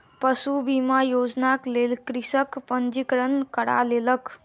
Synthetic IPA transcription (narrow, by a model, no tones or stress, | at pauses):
pəsubimajod͡ʒnaklelkɾisəkpənd͡ʒikɾənkəɽa̰leləkʰ